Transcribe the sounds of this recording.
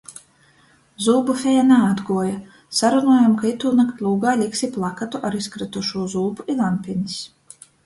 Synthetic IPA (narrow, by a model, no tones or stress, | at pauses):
zuːbufʲɛjanɛad̪ɡuɔja | saɾunuɔjamkait̪uːnakt̪lˠuːɡaːlʲiksiplˠakat̪uʔaɾiskɾat̪uʃuːzuːbuilˠampʲinʲis